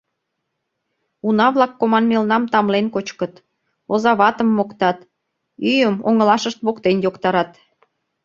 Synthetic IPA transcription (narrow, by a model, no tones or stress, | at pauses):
unɑβlɑkːomɑnmelnɑmt̪ɑmlenkot͡ɕkət̪ | ozɑβɑt̪əmːokt̪ɑt̪ | yjəmoŋə̆lɑʃəʃt̪βokt̪enjokt̪ɑɾɑt̪